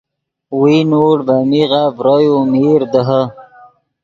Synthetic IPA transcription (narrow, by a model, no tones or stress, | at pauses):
winoːɽbamiɣavɾojomiːɾd̪əɦə